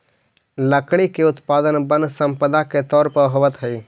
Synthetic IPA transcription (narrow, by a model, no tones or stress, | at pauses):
ləkɽikeʊt̪paːd̪ənbənsə̃mpəd̪aket̪ɔːɾpəɦoːʋət̪ɦəi